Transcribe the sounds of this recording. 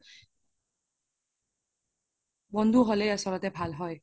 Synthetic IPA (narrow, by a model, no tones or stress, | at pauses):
bʌnd̪ʱuɦoleasʌɾʌt̪ebʱalɦʌj